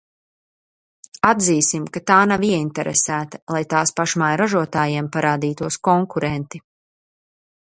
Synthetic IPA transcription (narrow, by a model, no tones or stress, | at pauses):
ad̪ziːsimkat̪aːnaviɛint̪ɛɾɛsæːt̪ɐ̥lˠajt̪aːspaʃmajɾaʒuɔt̪aːjiɛmpaɾaːd̪iːt̪uɔskɔŋkuɾɛnt̪i